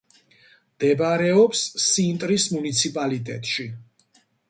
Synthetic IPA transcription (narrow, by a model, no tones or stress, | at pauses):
md̪̥ɛbaɾɛɔpsːint̪ʼɾismunit̪sʰipʼalit̪ʼɛ̰t̪ʼʃi